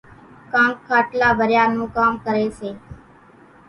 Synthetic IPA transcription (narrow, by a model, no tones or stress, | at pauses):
kãːŋkkʰːaːʈlaːbəɾjaːnũːkaːmkəɾeːt͡ʃeː